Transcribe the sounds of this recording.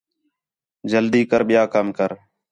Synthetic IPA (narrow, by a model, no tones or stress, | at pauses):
d͡ʒəld̪iːkəɾɓɪjaːkəmkəɾ